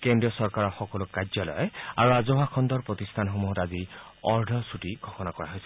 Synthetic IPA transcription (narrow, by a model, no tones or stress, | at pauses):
kendiɔsɔɹkaɹɔxɔkɔlukazɔlɔ̰ja̰ɹuazoɦakʰɔnd̪ɔɹpɹɔt̪ist̪ʰanɦomuɦɔtazi | ɔɹɖʱɔsuʈiɡ̥ʱɔxɔnakɔɹaɦojsʰɛ